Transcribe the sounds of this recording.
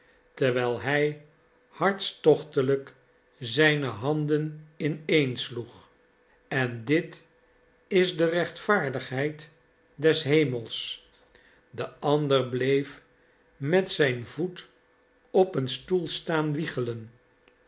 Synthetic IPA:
təʁʋɛlˠɦɛj | hɑɹtstɔχtələk | zɛjnəɦɑndənɪnejnsluχ | ɛndɪt | ɪzdərɛχtfaːɹdəχɦɛjt | dɛsɦejməlˠs | dəɑndərblejf | mɛtsɛjnvut | ɔpənstulˠstaːnʋiχələn

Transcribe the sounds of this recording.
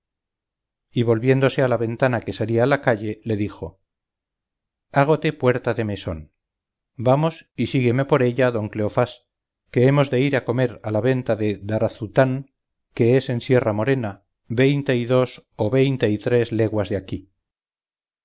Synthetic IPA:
iβ̞o̞lβje̞nd̪o̞se̞alaβe̞nt̪anake̞saliaːlakaʎe̞le̞ðixo̞ | aɣ̞ot̪e̞pwe̞ɾt̪aðe̞me̞so̞n | bamo̞sisiɣe̞me̞po̞ɾe̞ʎaðo̞ŋkle̞o̞fas | ke̞emo̞zðe̞iɾako̞me̞ɾalaβe̞nt̪aðe̞ðaɾaθut̪aŋ | ke̞ese̞nsje̞ramo̞ɾe̞na | βe̞jnt̪e̞iðo̞so̞βe̞jnt̪e̞it̪ɾe̞zle̞ɣwazðeaki

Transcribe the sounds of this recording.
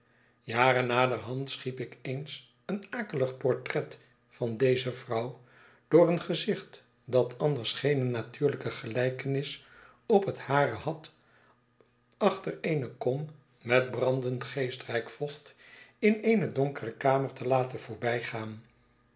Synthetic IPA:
jaːɾənaːdəɹɦɑntsχipɪkejns | ənaːkələχpɔɹtrɛt | fɑndejzəvrʌw | d̥ʊːrənχəzɪχt | dɑtɑndəɹsχejnənatyːɹləkəχəlɛjkənɪs | ɔpɦəthaːrəhɑt | ɑχtəɹejnəkɔm | mɛt̚brɑndəntχejstrɛjkfɔχtɪnejnədɔŋkərəkaːməɹtəlaːtənv̥ʊːɹbɛjχaːn

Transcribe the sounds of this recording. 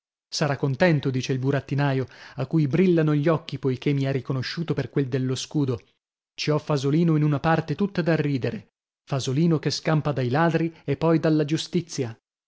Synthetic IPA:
saɾakːont̪ɛnt̪od̪iːt͡ʃeilbuɾat̪ːinaːjoakːujbɾilːanoʎːɔkːipojkemːiɛrːikonoʃːuːt̪operkweld̪elːoskuːd̪o | t͡ʃiɔfazoliːnoinunapart̪et̪ut̪ːad̪arːiːd̪eɾe | fazoliːnokeskampad̪ajlaːd̪ɾiepːɔjd̪alːad͡ʒust̪it̪sːja

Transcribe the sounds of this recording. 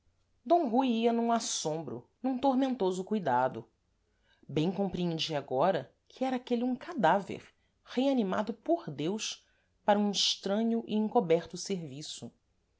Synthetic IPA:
d̪õw̃ɦujiɐnũasõmbɾʊ̰nũt̪oɾmẽnt̪ozʊkujd̪ad̪ʊ | bẽj̃kõmpɾiẽnd͡ʒiaɡɔɾɐ | kʰɪɛɾɐakeliũkad̪avḛɾ | heanima̰d̪ʊpoɾd̪ews | paɾɐũiʃt̪ɾɐ̃ɲʊʔɪẽkobɛɾt̪ʊseɾvisʊ

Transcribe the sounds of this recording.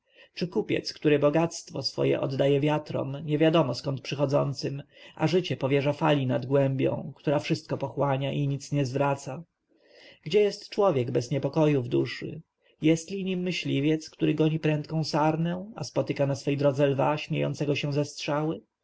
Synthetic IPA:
t͡ʂɘkupʲjɛ̰t̪skt̪uɾɛbɔɡat̪st̪fɔsfɔ̰jɛ̰ʔɔ̰d̪ːajɛvʲjat̪ɾɔ̰mɲɛvʲjad̪ɔmɔskɔnt̪̚pʂɘxɔd̪zɔ̰nt̪sɘmʔa̰ʐɘt͡ɕɛpɔvʲjɛʐafalʲinad̪ɡwɛmbʲjɔ̰̃w̃kt̪uɾafʂɘst̪̚kɔpɔxwaɲaʔiɲit̪sɲɛzvɾat̪sa | ɡd͡ʑɛjɛst̪t͡ʂwɔvʲjɛɡbɛzɲɛpɔkɔjuvd̪uʂɘ̰ | jɛst̪lʲiɲimːɘɕlʲivʲjɛt̪skt̪uɾɘɡɔɲipɾɛ̃nt̪̚kɔ̃w̃saɾnɛ̃a̰spɔt̪ɘkanasfɛjd̪ɾɔd̪zɛlvaɕmʲjḛjɔ̰nt̪sɛɡɔɕɛ̃zɛstʂawɘ

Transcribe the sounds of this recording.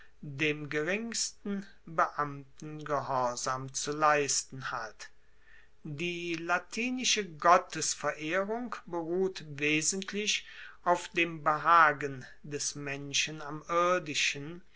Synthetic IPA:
deːmɡəʁɪŋstn̩ | bəʔamtn̩ɡəɦɔɐzaːmt͡sulaɪstn̩hat | diːlatʰiːnɪʃəɡɔtəsfɛɐʔeːʁʊŋkbəʁuːtveːzən̩tʰlɪʃʔaʊfd̥eːmbəɦaːɡən | dɛsmɛnʃənamɪɐdɪʃən

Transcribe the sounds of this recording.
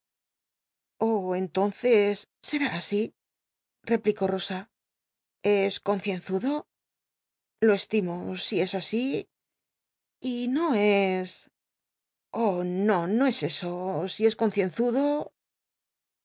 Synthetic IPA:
oent̪o̞nθe̞sːe̞ɾaːsi | re̞pliko̞ro̞sa | e̞sko̞nθje̞n̟θuðo̞ | lo̞e̞st̪imosie̞sasi | ino̞e̞s | ono̞no̞e̞se̞so̞sie̞sko̞n̟θje̞nθuðo̞

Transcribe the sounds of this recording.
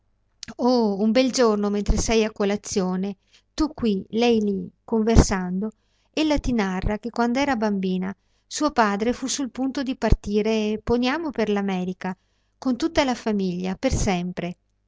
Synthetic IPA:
oumbɛld͡ʒornoment̪ɾesɛjakːolat̪sːjoːne | t̪ukːwilɛjlikoɱversand̪o | elːat̪inarːak̟ekːwand̪oɛːɾabambiːna | suːopaːd̪ɾefusulpunt̪od̪ipart̪iːɾepːonjaːmoperlamɛːɾika | kont̪ut̪ːalafamiʎːapersɛmpɾe

